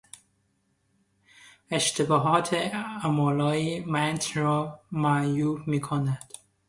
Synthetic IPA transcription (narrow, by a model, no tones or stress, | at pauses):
eʃt̪ʰebɒːɦɒːt̪ʰeæmɒːlɒːiːmænt̪ʰɾɒːmæjuːbmiːkʰonæd̪̥